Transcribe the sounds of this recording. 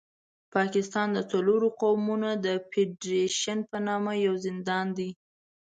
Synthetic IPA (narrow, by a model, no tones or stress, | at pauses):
pɑkɪst̪ɑnd̪ət͡saloɾoqawmunod̪əpeɖɾeʃanpənɑmajawzɪnd̪ɑnd̪i